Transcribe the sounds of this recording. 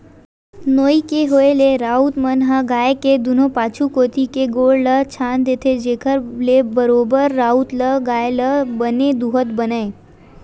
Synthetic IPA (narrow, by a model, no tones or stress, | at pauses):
noːikeɦoːeleɾaːut̪mənɦəɡaːeked̪ʊnõpaːt͡ʃʰukoːt̪ikeɡoːɽlət͡ʃʰaːnd̪eːt̪ʰed͡ʒeːkʰəɾlebəɾoːbəɾːaːut̪ləɡaːeləbəned̪uɦət̪bənae